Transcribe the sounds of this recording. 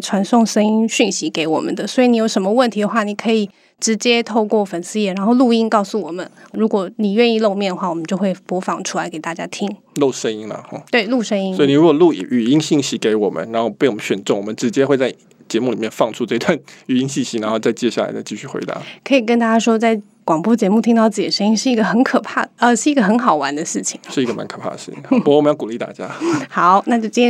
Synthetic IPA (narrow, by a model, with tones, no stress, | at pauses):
ʈ͡ʂʰwa˧˥nsʊ˥˩ŋʂə˥ŋi˥ŋɕy˥˩nɕi˧˥ke˧˥ɪwɔ̰˨˩mə̰˦nd̪ə˦swɔ˧˥i˧˩ni˧˥jo˧˥ʊʂə˧˥nmə˧wə˥˩nt̪ʰi˧˥d̪ə˨xwa˥˩ni˨˩kʰɤ˧˥i˨˩ | ʈ͡ʂɻ̩˧˥t͡ɕjɛ˥t̪ʰo˥˧ʊkwɔ˥˩fə˨˩nsɹ̩˧˥jɛ˥˩ɻa˧˥nxo˥˧ʊlu˥˧i˥nkɑ˥˩ʊsu˥˩wɔ˨˩mə˦nɻu˧˥kwɔ˨˩˦ni˨˩ɥɛ˥˧ni˥˧lo˥˧ʊmjɛ˥˩nd̪ə˩xwa˥˩wɔ˨˩mə˦nt͡ɕjo˥˧ʊxwe˥˩ɪpwɔ˧˥fɑ˨˥˩ŋʈ͡ʂʰu˥la˧˥ɪke˨˩ɪt̪a˥˩t͡ɕja̰˥t̪ʰi˥ŋ | lo˥˩ʊʂə˥ŋi˥ŋlə̰˨˧˦t̪we˥˩ɪlu˥˩ʂə˥ŋi˥sɔ˧˥i˨i˨˩ɻu˦˥kwɔ˨˩lṵ˥˩˨ʔy˨˩i˥ŋɕi˥˩ŋɕi˧˥ke˧˥ɪwɔ˨˩mə̰˦nɻa˧˥nxo˥˩pe˥˩ɪwmə˦nɕɥɛ˨˩nʈ͡ʂŋwɔ˨˩mə˦nʈ͡ʂɻ̩˧˥t͡ɕjɛ˥xwe˥˧ɪt͡sa˥˩ɪ | t͡ɕjɛ˧˥mu˥˩li˨˩mjɛ˥˧nfɑ˥˧ŋʈ͡ʂʰu˥ʈ͡ʂɤ˥˧i˧t̪wa˥˩ny˨˩i˥ŋɕi˥˩ŋɕi˧˥na˧˥nxo˥˧t͡sa˥˧ɪt͡ɕjɛ˥˧ɕja˥˩la̰˧˥ɪə˧t͡ɕi˥˧ɕy˥˩xwḛ˧˥ɪt̪a̰˧˦kʰɤ˧˥i˨˩kə˥nt̪a˥t͡ɕja˥ʂwɔ˥t͡sa˥˩ɪ | kwɑ˨˩ŋpwɔ˥t͡ɕjɛ˧˥mu˥˩t̪ʰi˥ŋt̪ɑ˥˧ʊt͡sɹ̩˥˩t͡ɕi˨˩ə˩ʂə˥ŋi˥nʂɻ̩˥˩i˧˥ɡə˧˩xə˧˥nkʰɤ˨˩pʰa˥˩ə˧ʂɻ̩˥˩i˧˥ɡə˧˩xə˧˥nxɑ˨˩ʊwa̰˧˥nd̪ə˧ʂɻ̩˥˩t͡ɕʰi̥˨˩ŋʂɻ̩˥˩i˧˥ɡə˧ma̰˧˥nkʰɤ˨˩pʰa̰˥˩d̪ə˩ʂ̩˥˩t͡ɕḭ˨˩˥pu˧˥˨m˧˦jɑ˥˩ku˨li˥˧˩t̪a̰˥˩t͡ɕja̰˥xɑ˨˩˦ʊna˥˧t͡ɕjo˥˧ʊt͡ɕi˥n˥